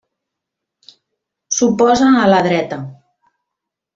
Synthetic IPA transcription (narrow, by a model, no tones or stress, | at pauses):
supɔzanalaðɾɛt̪ə